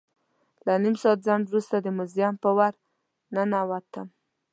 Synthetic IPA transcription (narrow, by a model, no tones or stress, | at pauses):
lanimsɑat̪̚zaɳwɾust̪ad̪əmʊzijɑmpəwaɾ | nanawat̪ːam